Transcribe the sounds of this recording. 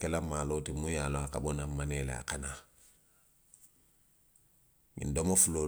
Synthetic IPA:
kelamaːloːtimujaloaka̰bonamanela̰a̰kana | mḭndomofuloː

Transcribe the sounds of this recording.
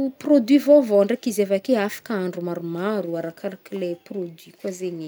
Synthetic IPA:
prod̪wɥivovoɳɖ͡ʐekizevakeafḁkaaɳɖ͡ʐumaɾumaɾuaɾakaɾakileprod̪wikwazeɲi

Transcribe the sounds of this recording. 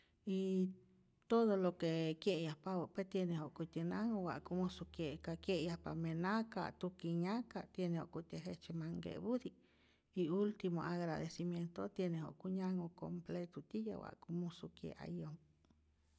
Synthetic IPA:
i | t̪od̪olokekjeʔjapawopet̪jenehoʔkut̪ʲinaŋowa̰ʔkumũsukjeʔkakjeʔjapamenaka̰t̪ukiɲaka̰t̪jenẽho̰ʔkut̪ʲeɦet͡ʃemaŋɡḛʔbud̪i | iult̪imoaɣɾad̪esimjent̪ot̪jeneho̰ʔkuɲaŋoko̰mplet̪ut̪ija̰wa̰ʔkumusukjḛʔa̰jom

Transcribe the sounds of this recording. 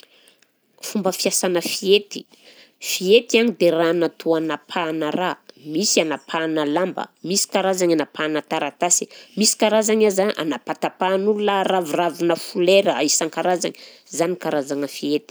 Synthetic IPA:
fumbəfiasanəfiet̪i̥ | fiet̪ianid̪eranat̪ʰuanapʰanəramisianapʰanəlambə̰misi̥kaɾazaɲanapanət̪aɾat̪asi̥misi̥kaɾazaɲazaʔa̰napat̪apanulunəravuravunəfuleɾəaisaŋkaɾazaŋi | zanikaɾazaŋəfiet̪i̥

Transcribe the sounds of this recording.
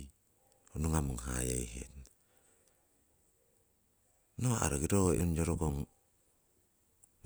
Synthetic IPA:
onuŋamuŋɦa̰ja̰jɦḛt | noa̰ɾaɡiɾo̰ond͡ʒoɾoɡoŋ

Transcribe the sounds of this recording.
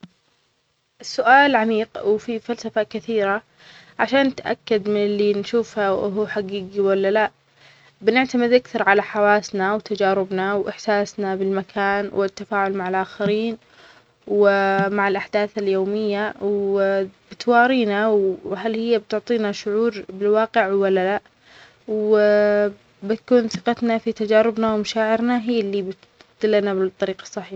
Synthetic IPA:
sːʊʔaːlʕamiːqwfifalsafakɪθiːɾa | ʕaʃaːnːɪt̪ʔa̰kːad̪mɪnɪlːinʃuːfhaʔɦuħaɡiːɡiwalːalaʔ | bɪnɪʕt̪amɪd̪ʔakθɑɾˤʕalaħawaːsnawt̪ad͡ʒaːɾɪbnawʔɪħsaːsnabɪlmakʰaːnwʔɪt̪ːafaːʕʊlmaʕalʔaːxaɾiːn | wmaʕɪlʔaħd̪aːθaljoːmɪjːaw | bɪt̪wɑːɾiːnawɦalhɪjːabt̪ʊʕt̪ˤiːnaʃʊʕuːɾbɪlwɑːqɪʕwalːala | w | bɪt̪kuːnθɨqɑt̪nafit̪ad͡ʒaːɾɪbnawmaʃaːʕɪɾnaɦiːlːibɪt̪ | d̪ɪlːanabt̪ˤːɑɾiːqɑ̥sˤːɑħiːħ

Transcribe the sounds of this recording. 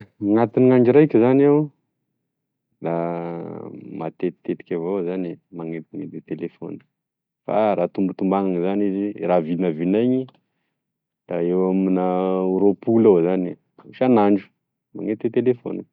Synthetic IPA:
ŋat̪iniŋaɳd͡ʒiɾajkʲəzanew | d̪a | ma̰t̪et̪t̪ːet̪i̥kʲavowzanimaŋet̪maŋed̪et̪elefo̰n̥ | fa̰ɾat̪umbut̪umbaŋaŋizaniziɾavinavinaɲi | d̪̥aewaminauɾopulawzani | ʃanaɳɖ͡ʐu̥ | ma̰ŋet̪et̪elefo̰ni

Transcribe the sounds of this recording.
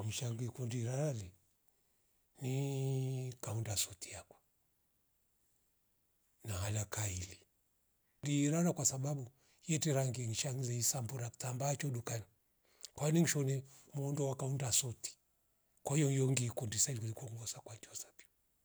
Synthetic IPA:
ŋiʃaŋɡikundiɾaɾali | ni | kaundasɔtiakwḁ | nahalakaili | diɾaɾakwasaɓaɓu | jɛtiɾaŋɡiŋiʃaŋzɛisambuɾaki̥tambaːt͡ʃɔɗukani | kwaniŋ̩ʃɔnɛmɔndɔwakaundasɔti̥ | kwɔhijɔjɔŋɡikundisailikulikɔŋɡɔsakwat͡ʃɔsḁpiɔ

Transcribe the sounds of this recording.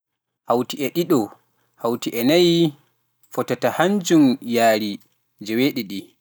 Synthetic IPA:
hawtiɛɗiɗɔ | hawtiʔɛnaj | fɔtatahand͡ʒumjaːɾi | d͡ʒɛweɗiɗi

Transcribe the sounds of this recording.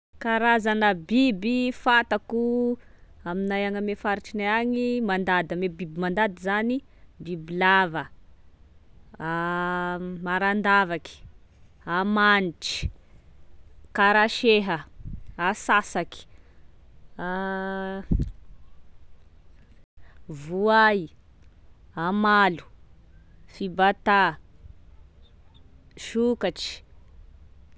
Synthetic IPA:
kaɾazanəbibifat̪aku | aminajaŋəmefaɾiʈ͡ʂinaaŋimand̪ad̪əmebibimand̪ad̪izani | bibilavə | a | maɾand̪avaki̥ | amaniʈ͡ʂi̥ | kaɾaʃeɦəasasaki̥ | a | vuaji | amalu̥ | fibat̪a | ʃukaʈ͡ʂi̥

